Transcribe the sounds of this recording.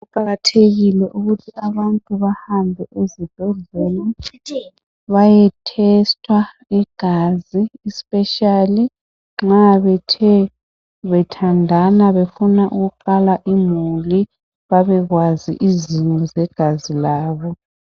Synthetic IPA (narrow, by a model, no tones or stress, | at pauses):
uǃaɣatʰeɣilɛʔuɣutʰiʔaβantʼuβahambʱɛʔezib̥ʱɛɮɛla | βajɛtʰɛstʰʼwa | iɡ̥ʱaziːspʼɛʃali | ŋ͡ǁaβɛtʰɛ | βɛtʰandʱanaβefunaʔuɣuǃalaʔimuli | βaβɛɣwazḭʔizinɔzɛɡ̥ʱazilaːβɔ